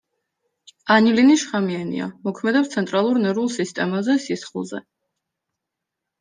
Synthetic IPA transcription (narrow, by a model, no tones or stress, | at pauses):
aniliniʃχamianḭa̰mɔkʰmɛd̪ɛpst̪sʰɛnt̪ʼɾalˠuɾnɛɾulˠsist̪ʼɛmazɛsisχlˠzɛ̰